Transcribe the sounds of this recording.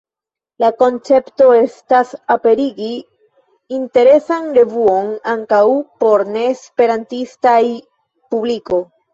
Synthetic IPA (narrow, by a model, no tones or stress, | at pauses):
lako̞nt͡se̞pto̞e̞stasape̞ɾiɡiː | nte̞ɾe̞sanɾe̞vuo̞naŋkawpo̞ɾne̞ːspe̞ɾantistaj | publiko̞